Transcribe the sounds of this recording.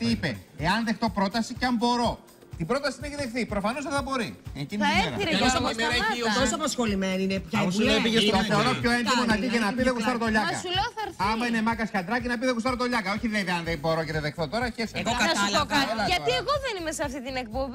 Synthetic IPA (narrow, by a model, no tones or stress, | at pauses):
iipe̞eɐnðe̞xt̪o̞pɾo̞t̪ɐsiceɐmbo̞ɾo̞ | t̪ibɾo̞t̪ɐsineçiðe̞xθipɾo̞fɐno̞zðeθɐbo̞ɾieciniɐeeɾiɾeos | t̪osoɐpɐsxo̞lime̞niinepçɐepiʝeɐseoɾɐpço̞ent̪imonɐpicenɐpiðeɣust̪ɐɾot̪oʎɐkɐsuleoθɐɾθɐmɐine̞mɐkɐsɐnd̪ɾɐcinɐpiðeɣust̪ɐɾo̞t̪o̞ʎɐkɐo̞çiðinɐiðeɐnðebo̞ɾo̞ceðeðexθo̞t̪o̞ɾɐçeseoɐɐsokɐɐɐieɣoðenimeseɐft̪it̪inek̚pobi